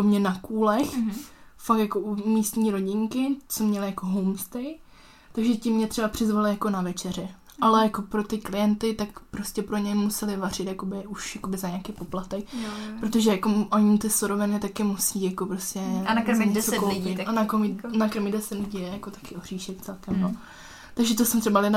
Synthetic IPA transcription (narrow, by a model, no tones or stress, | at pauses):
omɲɛnakuːlɛxfak̚t̪jakoʔumiːst̪ɲiːɾo̞ɟɪŋkɪt͡somɲɛlɪjako̞ɦowmst̪ɛj | t̪aɡʒɛcɪmːɲɛt̪rɛbapr̝̥ɪzvalɪjako̞navɛt͡ʃɛrjɛ | ʔalɛjakopɾo̞t̪ɪklɪjɛnt̪ɪt̪akpɾoscɛpɾoɲɛmusɛlɪvar̝ɪt̪jako̞bɪuʃjako̞bɪzaɲaakejpo̞plat̪ɛk̚pɾot̪o̞ʒɛjakoʔoɲit̪ɪsoɾovɪnɪt̪akɪmusiːjakopɾoscɛɲɛt͡sokopɪt̪anakomɪnakɾmɪdɛsɛdnuɟijɛjakot̪ḁkɪʔoriːʃɪt̪t͡sɛlkɛmjo | t̪aɡʒɛt̪osɛmt̪rɛbalɪd